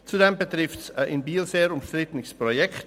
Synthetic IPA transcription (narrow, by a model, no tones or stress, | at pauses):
t͡sudɛmbətʁɪftsɪnbiːlzeːɾʊmʃtʁ̥ɪtənɪspʁojɛkt